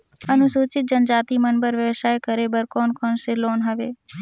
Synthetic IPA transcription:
ənũsuːt͡ʃɪt̪̚d͡ʒənd͡ʒaːt̪imənbəɾʋjəʋʃaːjkəɾebəɾkoːnkɔːnseloːnɦəʋeː

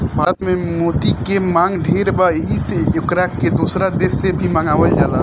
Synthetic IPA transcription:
bʱaːɾət̪mẽmoːt̪ikemãːŋɡɖʱeːɾbaɦiseʊkɾaːkkːed̪uːsɾad̪eːsːebʱiməŋɡaːʋəld͡ʒaːla

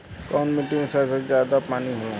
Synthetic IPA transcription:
kɔːnmɪʈiõsesezjaːd̪apaːniɦoːla

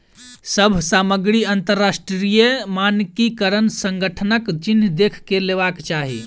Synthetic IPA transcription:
səbʱsaməɡɾiənt̪əɾːasʈɾɾijəmankikəɾənsəŋɡəʈʰənəkt͡ʃind̪ekʰkeleβakt͡ʃaɦḭ

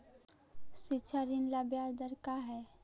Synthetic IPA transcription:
sɪtːʃʰaɾinlabjad̪əɾkaɦɛ

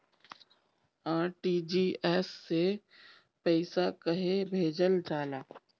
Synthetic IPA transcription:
aːʈiːd͡ʒiːɛːsːe | pɛːɪsakəɦebʱeːd͡ʒəlɖaːlaː

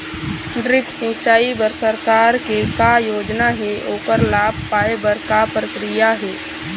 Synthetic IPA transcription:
ɖɾɪpsĩt͡ʃaːibəɾsəɾkaːɾkekajoːd͡ʒnaɦɛʔoːkəɾlaːbʱpaːebəɾkapɾəkɾijaɦɛː

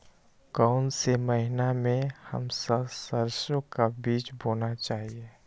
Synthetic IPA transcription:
kaʊnseməɦɪnamẽhə̰msəbsəɾsjõkabiːt͡ʃboːnat͡ʃaːɦie

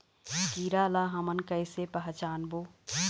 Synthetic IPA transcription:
kiːɾaːlaɦɐmənkəɪsepəɦt͡ʃaːnboː

